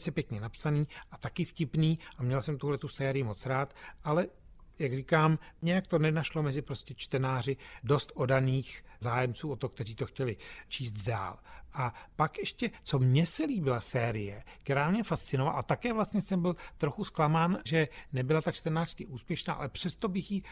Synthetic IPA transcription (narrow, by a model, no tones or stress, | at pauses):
sɛpjɛkɲɛnapsaniːʔat̪akɪfcɪpniːʔamɲɛlsɛmt̪uɦlɛt̪usɛːɾɪjɪmo̞t͡sɾaːt̪ʔalɛjaɡriːkaːmɲɛjakt̪o̞nɛnaʃlo̞mɛzɪpɾoscɛt͡ʃt̪ɛnaːr̝ɪdo̞st̪ʔo̞daniːxzaːjɛmt͡suːot̪ok̚t̪ɛriːt̪o̞xcɛlɪt͡ʃiːst̪da̰ːlʔapakʔɛʃcɛt͡so̞mɲɛsɛliːbɪlasɛːɾɪjɛk̚t̪ɛɾaːmɲɛfast̪t͡sɪnovala̰ʔat̪akɛːvlast̪ɲɛsɛmbɪlt̪ɾo̞xusklamaːnʒɛnɛbɪlat̪at͡ʃt̪ɛnaːr̥skɪʔuːspjɛʃna̰ːʔa̰lɛpr̝̥ɛst̪obɪxji